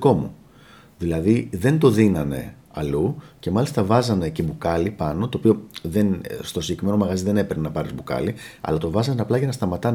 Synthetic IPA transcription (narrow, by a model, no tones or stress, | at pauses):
ko̞mu | ðilɐðiðe̞nd̪o̞ðinɐne̞̰ | ɐluce̞mɐlist̪ɐvɐzɐne̞ce̞bukɐlipɐno̞t̪oːpio̞ðe̞nst̪o̞siʝekime̞no̞mɐɣɐziðe̞ne̞peɾnenɐpɐɾizbukɐ̰liɐ̰lɐt̪o̞vɐzɐneɐplɐʝɐnɐst̪ɐmɐt̪ɐn